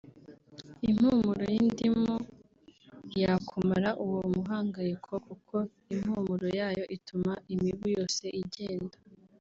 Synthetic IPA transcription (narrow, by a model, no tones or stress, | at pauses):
im̥humuɾojindimo | jakʰumaɾaʔuwomuɦaːŋɡajekʰokukʰo̞ | im̥huːmuɾojaːjo̞ʔitumaʔimiβujo̞ːse̞ʔiɟeːndḁ